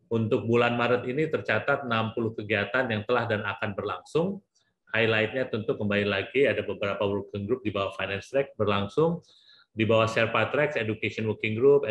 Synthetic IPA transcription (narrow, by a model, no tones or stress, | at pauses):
unt̪ʊk̚bulanmaɾət̪init̪ərt͡ʃat̪at̪̚nampulʊhkəɡiat̪anjaŋt̪əlahdanakanbərlaŋsʊŋ | hajlaɪt̪̚ɲat̪unt̪ʊkːəmbalilaɡiadabəbəɾapawərkɪŋɡɾʊp̚dibawahfajnɛnst̪ɾɛk̚bərlaŋsʊŋ | dibawahʃɛrpat̪ɾɛk̚sedukasiɔnwəkɪŋɡɾup̚